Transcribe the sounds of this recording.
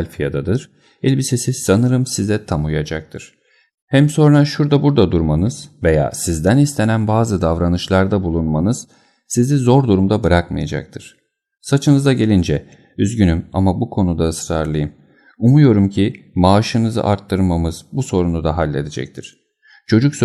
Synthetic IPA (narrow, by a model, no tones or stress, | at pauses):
lʲfijad̪ad̪ɯɾ̥ | ɛlʲbisesisanɯɾɯmsizɛt̪ʰamujad͡ʒak̚t̪ʰɯɾ̥ | hɛmso̞nɾaʃuɾd̪abuɾd̪ad̪uɾmanɯz̥ve̞ja̰ːsizd̪ænist̪ʰe̞nænbaːzɯd̪avɾanɯʃlˠaɾd̪abulˠunmanɯz̥ | sizizo̞ɾd̪uɾumd̪abɯɾakma̰ja̰d͡ʒa̰k̚t̪ʰɯɾ̥ | sat͡ʃʰɯnɯzaɟe̞lʲind͡ʒɛ | yzɟynyma̰mabukʰo̞nud̪aɯsɾaɾlˠɯjɯm | umujo̞ɾumcʰi | maːʃɯnɯzɯ̰ʔaɾt̪ʰːɯɾmamɯz̥buso̞ɾunud̪aɦalʲːe̞d̪ed͡ʒɛ̰c̚t̪ʰiɾ̥ | t͡ʃʰo̞d͡ʒuks